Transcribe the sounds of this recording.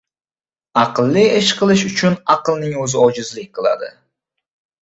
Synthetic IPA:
ɑqɨlˠːɪɪʃqʰɨlˠɪʃʊt͡ʃʰʊnaqɨlˠnɪŋɵzɪɒd͡ʒɪzlɪk̚ʲqʰɨlˠa̰d̪ɪ̰

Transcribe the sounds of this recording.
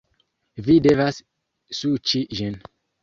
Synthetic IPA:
videvas | sut͡ʃiʒɛ̃n

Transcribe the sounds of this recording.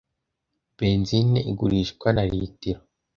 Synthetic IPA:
b̥eːnzineʔiɡuɾiʃkwanaɾitiɾo

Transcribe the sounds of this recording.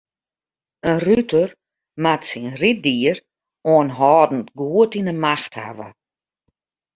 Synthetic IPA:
ənrytʰər | matsinrit̚diər | oənɦɔːdn̩tɡuətinəmaxtha̰ʋə̰

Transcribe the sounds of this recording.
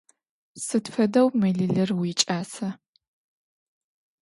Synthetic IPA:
sɨtfɐdɐwmɨɮɨɮɨrwiːt͡ʃʼaːsɐ

